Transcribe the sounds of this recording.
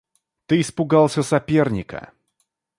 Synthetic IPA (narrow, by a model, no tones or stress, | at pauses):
t̪ɨːspʊɡɑlˠsʲəsɐpʲe̞rnʲɪkə̰